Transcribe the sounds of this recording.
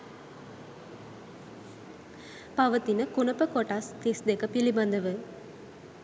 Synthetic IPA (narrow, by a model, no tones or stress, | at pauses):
paʋət̪inəkunəpəkoʈast̪isd̪ekəpiliband̪əʋə